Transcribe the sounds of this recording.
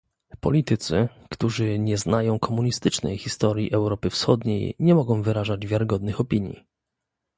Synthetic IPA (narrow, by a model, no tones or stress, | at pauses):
pɔ̰lʲit̪ɘt̪sɘ | kt̪uʐɘɲɛznajɔ̃w̃kʰɔmuɲist̪ɘt͡ʂnɛ̰jxʲist̪ɔɾʲjḭʔɛwɾɔpɘfsxɔd̪ɲḛjɲɛmɔɡɔ̃w̃vɘɾaʐad͡ʑvʲjaɾɘɡɔd̪nɘxɔpʲiɲjḭ